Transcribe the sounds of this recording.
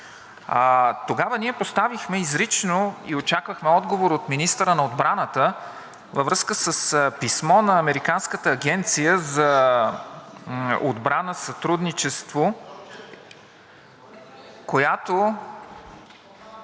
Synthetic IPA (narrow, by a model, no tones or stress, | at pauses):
t̪oɡavəniɛpost̪avixmɛizɾit͡ʃnoiot͡ʃakvəxmɛɔd̪ɡovoɾot̪minist̪əɾənɐod̪bɾanət̪ə | vɐvɾɤskəsəspismɔnɐːmɛɾikanskət̪əːɡʲɛnt̪sijəzɐ | o̰d̪bɾanəsɐt̪ɾud̪nit͡ʃɛst̪vo | kojat̪o